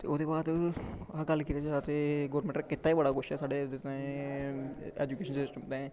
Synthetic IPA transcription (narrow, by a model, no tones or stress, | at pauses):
t̪ḛːoːd̪eːbaːd̪aɡəlːkiːt̪eːd͡ʒat̪eːɡoːəɾmẽɳʈːkɪt̪ːaːiːbəɽaːkʰʊʃɛːsaːɖeːd̪et̪ː | ḛːd͡ʒuːkeːʃənsɪsʈəmt̪ẽː